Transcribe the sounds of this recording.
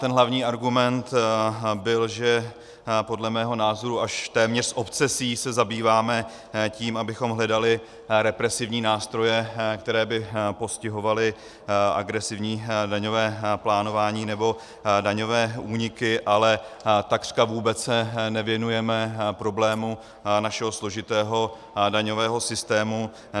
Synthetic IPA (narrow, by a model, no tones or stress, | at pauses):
t̪ɛnɦlavɲiːaɾɡumɛnt̪bɪlʒɛ | po̞dlɛmɛːɦo̞naːzo̞ɾuʔaʃt̪ɛːmɲɛr̥sʔo̞pt͡sɛsiːsɛzabiːvaːmɛ | ciːmabɪxo̞mɦlɛdalɪ | ɾɛpɾɛsɪvɲiːnaːst̪ɾo̞jɛkt̪ɛɾɛːbɪpo̞scɪɦo̞valɪ | ʔa̰ɡɾɛsɪvɲiːdaɲo̞vɛːplaːno̞vaːɲiːnɛbo̞ | daɲo̞vɛːʔuːɲɪkɪʔalɛt̪akr̥kavuːbɛt͡ssɛnɛvjɛnujɛmɛpɾo̞blɛːmu | naʃɛɦo̞slo̞ʒɪt̪ɛːɦo̞ | daɲo̞vɛːɦo̞sɪst̪ɛːmu